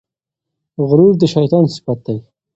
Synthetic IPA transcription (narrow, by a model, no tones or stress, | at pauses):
ɣʊɾuɾd̪əʃajt̪ɑːnsi̥fat̪̚d̪aj